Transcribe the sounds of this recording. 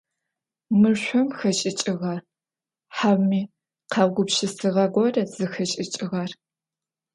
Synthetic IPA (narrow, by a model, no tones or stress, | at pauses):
mɨrɕʷɔmxɐt͡ʃʼɪt͡ʃʼɪʁɐr | ħawmiː | qʰɑɡʷʊpʃɪsɨʁɐɡʷɔrɐz̥ɨxɐt͡ʃʼɪt͡ʃʼɪʁɐr